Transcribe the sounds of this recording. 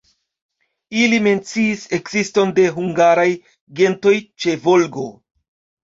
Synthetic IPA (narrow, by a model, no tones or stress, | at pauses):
ilime̞nt͡siːse̞kzisto̞nde̞ɦuŋɡaɾaj | ɡe̞nto̞jt͡ʃe̞vo̞lɡo̞̰